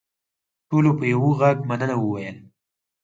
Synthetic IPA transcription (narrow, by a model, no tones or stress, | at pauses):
ʈolopəjawoɣaɡ̚manənawəwajəl